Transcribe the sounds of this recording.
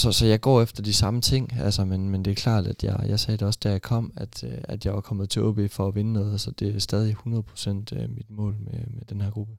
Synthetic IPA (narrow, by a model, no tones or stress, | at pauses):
sɒ̽sɒ̽jɑ̈ɪɡ̥ɒ̰ːefd̥ɐd̥isɑ̈mət͡sʰe̝ŋ̰ælsɐmenmend̥e̝æɐkʰlɑ̰̈ːd̥æd̥jɑ̈ɪjɑ̈ɪsɛːd̥eɒ̽sd̥æɐjɑ̈kʰɒ̽m̰æd̥æd̥jɑ̈ɪʋɑ̈kʰɒ̽mð̩ˠt͡sʰe̝ʔɔb̥ifɒ̽ːʋe̝nənɔ̽ːð̞ˠsɒ̽d̥e̝æsd̥ɛːðˠihunɐð̞̩ˠpʰʁo̥sen̰d̥ømid̥mɔ̰̽ːlmemed̥enhæɐ̰ɡ̥ʁub̥ə